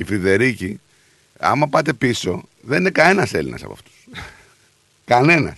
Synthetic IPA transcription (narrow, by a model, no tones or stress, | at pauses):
ifɾiðe̞ɾici | ɐ̰mɐpɐt̪e̞piso̞ðe̞ninekɐne̞nɐselinʔɐ̰sɐ̰poɐ̰ft̪u̥s | kɐne̞nɐ̰s